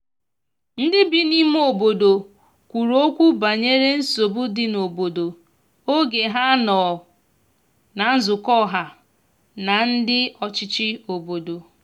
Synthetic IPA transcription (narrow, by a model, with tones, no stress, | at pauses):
n̩˦dɪ˦bi˦ni˦m˦o˨bo˨do˨ | kʷu˨ɾo˦kʷu˦ba˨ɲe˦ɾe˦n̩˦so˨bʊ˦dɪ˦no˨bo˨do˨ | o˦ɡe˨ɦa˦nɔ˨ | na˨˦n̩˦zʊ˨kɔ˦˨ɦa˨ | na˨n̩˦dɪ˦ɔ˨t͡ʃɪ˦t͡ʃɪ˦o˨bo˨do˨